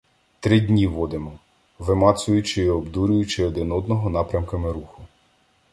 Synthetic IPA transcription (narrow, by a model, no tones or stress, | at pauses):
t̪ɾɪdʲnʲiʋɔd̪ɪmɔ | ʋɪmɑt̪sʊjʊt͡ʃɪiɔbd̪uɾʲʊjʊt͡ʃɪɔd̪ɪnɔd̪nɔɦɔn̪ɑpɾʲɐmkɐmɪɾuxʊ